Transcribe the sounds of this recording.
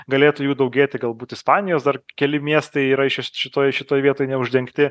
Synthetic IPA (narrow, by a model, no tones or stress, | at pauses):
ɡɐlʲeːt̪uːjuːd̪ɐʊɡʲeːt̪ʲɪɡɐlˠbuːt̪ɪspɑːnʲɪjoːsd̪ɐrkʲɛlʲɪmʲiɛst̪ɐɪiːɾɐɪʃʲɪʃʲɪt̪oːjʃʲɪt̪oːjʋʲiɛt̪oːjnʲɛʊʒʲd̪ʲɛŋkt̪ʲɪ